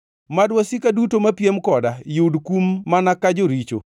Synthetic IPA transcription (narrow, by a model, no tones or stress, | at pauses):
madwasikadutomapjemkɔdajudkumːanakad͡ʒoɾit͡ʃo̰